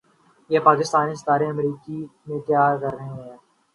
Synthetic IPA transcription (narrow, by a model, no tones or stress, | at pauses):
jepaːkɪst̪aːnɪst̪aːɾeɐmɾiːkimẽt̪jaːɾkɐɾːəɦẽɦɛ̃ː